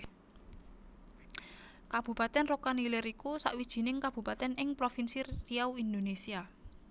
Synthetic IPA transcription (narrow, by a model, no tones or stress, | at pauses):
kab̥ṳpat̪ɛnrokanilɛɾikusa̰ʔwid̥ʒ̥i̤nɪŋkab̥ṳpat̪ɛnɪŋpɾofinsiriawind̪onesia